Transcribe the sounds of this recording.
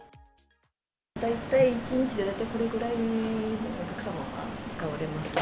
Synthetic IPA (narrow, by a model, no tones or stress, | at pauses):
d̪ait̪aiːt͡ɕiɲ̟it͡ɕid̪e̞d̪ait̪ːaiko̞ɾe̞ɡɯ̟ɾainoːkʲakɯ̟̥sama̰βa̰t͡sɨ̥kaβaɾe̞masɨ